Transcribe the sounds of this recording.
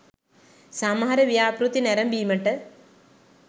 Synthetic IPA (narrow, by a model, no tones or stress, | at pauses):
samɦɐɾɐʋijaːpɾut̪ːinɛɾɐmbiːmɐʈːə